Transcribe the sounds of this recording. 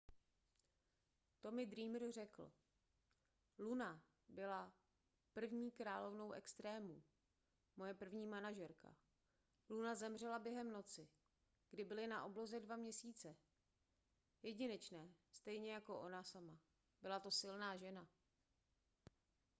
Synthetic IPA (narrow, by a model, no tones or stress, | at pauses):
t̪o̞mɪd̪ɾiːmrr̝ɛkl̩ | luna | bɪla | pr̩vɲiːkɾaːlo̞vno̞wʔɛkst̪ɾɛːmu | mo̞jɛpr̩vɲiːmanaʒɛɾka̰ | lunazɛmr̝ɛlabjɛɦɛmno̞t͡sɪ | ɡ̥dɪbɪlɪnaʔoblo̞zɛdvamɲɛsiːt͡sɛ | jɛɟɪnɛt͡ʃnɛːst̪ɛjɲɛjako̞ʔo̞nasama | bɪlat̪o̞sɪlnaːʒɛna